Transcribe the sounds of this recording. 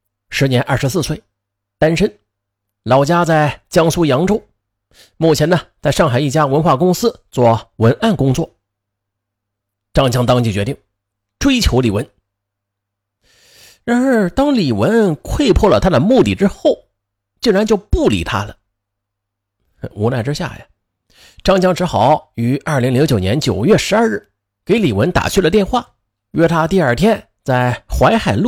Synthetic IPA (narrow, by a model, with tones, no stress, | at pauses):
ʂɻ̩˧˥njɛ˧˥nʔɐ˞˥˩ʂɻ̩˧˥sɹ̩˥˧swe˥˩ɪ | t̪a˥nʂə˥n | lɑ˧˥ʊt͡ɕja˥t͡sa˥˩ɪt͡ɕjɑ˥ŋsu˥jɑ˧˥ŋʈ͡ʂʊ˥ŋ | mu˥˩t͡ɕʰjɛ˧˥nə˧t͡sa˥˧ɪʂɑ˥˩ŋxa˨˩ɪi˥˩t͡ɕja˥wə˧˥nxwa˥˩kʊ˥ŋsɹ̩˥t͡swɔ˥˩wə˧˥nʔa˥˩nkʊ˥ŋt͡swɔ˥˩ | ʈ͡ʂɑ˥˧ŋt͡ɕʰjɑ˥ŋt̪ɑ˥ŋt͡ɕi˥˩t͡ɕɥɛ˧˥i˥˩ŋ | ʈ͡ʂwe˥ɪt͡ɕʰjo˧˥ʊli˨˩wə˧˥n | ɻa˧˥˩t̪ɑ˥ŋli˨˩wə˧˥nkʰwe˥˧ɪpʰwɔ˥˩lə˩t̪ʰa˥d̪ə˨mu˥˧t̪i˥˩ʈ͡ʂɻ̩˥xo˥˩ʊ | t͡ɕi˥˩ŋɻa˧˥nt͡ɕjo˥˧ʊpu˥˩lḭ˨˩t̪ʰa̰˥lə˨ | u˧˥na˥˩ɪʈ͡ʂ̩˥ɕja̰˥˩jɐ˩ | ʈ͡ʂɑ˥˧ŋt͡ɕjɑ˥ŋʈ͡ʂʰɻ̩˧˥xɑ˧˩˦ʊy˧˥ɐ˞˥˩li˧˥ŋli˧˥ŋt͡ɕjo˨˩ʊnjɛ˧˥nt͡ɕjo˨˩ʊjɥɛ˥˩ʂɻ̩˧˥a˞˥˧ɻ̩˥˩ | ke˧˥ɪli˨˩wə˧˥nt̪a̰˨˩t͡ɕʰy˥˩lə˩t̪jɛ˥˧nxwa˥˩ | ɥʔɛ˥t̪ʰa˥t̪i˥˧ɐ˞˥˩t̪ʰjɛ˥n | t͡sa˥˩ɪxwa˧˥ɪxa˨˩ɪlu˥˩